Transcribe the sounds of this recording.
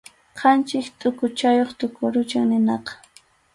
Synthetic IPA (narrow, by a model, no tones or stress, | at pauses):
qʰɑnt͡ʃɪkt̪ʼʊkʊt͡ʃajoχt̪ʼʊkʊɾʊt͡ʃaŋnɪnɑqɑ̥